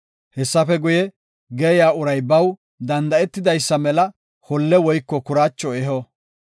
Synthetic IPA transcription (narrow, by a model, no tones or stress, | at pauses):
hɛsːɐfɛɡʊjɛ | ɡɛjaːʊɾɐjbɐw | d̪ɐnd̪ɐɛt̪ːɪd̪ɐjsːɐmɛlɐ | hɔlːɛwɔjkːɔkʊɾaːt͡ʃːɔɛɦɔ